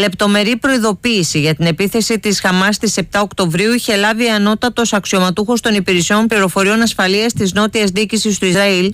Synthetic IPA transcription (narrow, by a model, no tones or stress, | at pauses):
le̞pt̪o̞me̞ɾipɾo̞iðo̞piːsiʝɐt̪ine̞piθe̞sit̪isxɐmɐst̪ise̞p̚t̪ɐokt̪o̞vɾiuiçe̞lɐviɐno̞t̪ɐt̪o̞sɐksio̞mɐt̪uxo̞st̪o̞nipiɾisio̞mpliɾo̞fo̞ɾio̞nɐsfɐliɐst̪izno̞t̪iɐzðicisist̪uizɾɐil